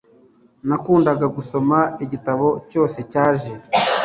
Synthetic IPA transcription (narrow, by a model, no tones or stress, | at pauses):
nakuːndaɡaɡuso̞maiɟitaβo̞co̞ːse̞caːʒe̞